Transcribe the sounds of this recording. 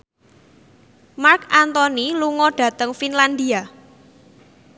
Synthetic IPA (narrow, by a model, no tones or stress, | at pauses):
markant̪ɔniluŋɔɖ̥ä̤t̪əŋfinland̪ia